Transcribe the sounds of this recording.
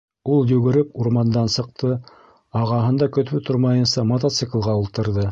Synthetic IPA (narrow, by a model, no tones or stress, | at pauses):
ulˠjɵ̆ɡɘ̆ɾɘpuɾmɑnd̪ɑnsɤ̆q̚t̪ʰɤ | ɑʁɑɦɤ̆nd̪ɑkɵ̆t̪βɘt̪oɾmɑjɤ̆nsɑmot̪ot̪sɨklˠʁɑulˠt̪ɤ̆ɾðɤ